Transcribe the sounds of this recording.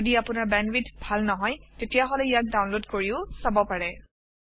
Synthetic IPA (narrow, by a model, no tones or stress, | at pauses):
odiapʊnaɹbɛnwitbʱalnɔɦɔjtetijaɦɔlɛijak̚dawnlodkoɹiʊsabɔpaɹɛ